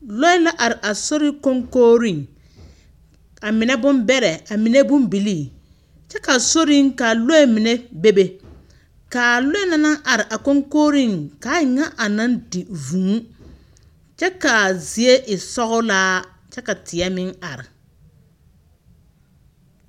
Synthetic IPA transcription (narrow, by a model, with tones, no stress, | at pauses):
lo˦ɪ˦la˦ʔa˨ɾɪ˨ʔa˨so˦ɾɪ˦ko˦ŋkoː˦ɾi˦˨ŋ | a˨mɪ˨nɛ˦bʊ˦mbɛ˦ɾɛ˨a˨mɪ˨ne˦bʊ˦mbi˨li˦˨ | t͡ʃɛ˦ka˨so˦ɾi˦ŋka˨lo˦ɛ˦mɪ˨ne˦be˦be˨ | ka˨lo˦ɛ˦na˦na˦ŋʔa˨ɾɪ˨ʔa˨ko˦ŋkoː˦ɾi˦˨ŋka˨˦ɪ˨ŋa˦ʔa˨na˦ndi˨vũ˨˦ | t͡ʃɛ˦ka˨zi˨e˦ʔɪ˨sɔ˦ɣʊ˦laː˦ | t͡ʃɛ˦ka˨tʰɪ˨ɛ˦mɪ˦ŋa˨ɾɪ˨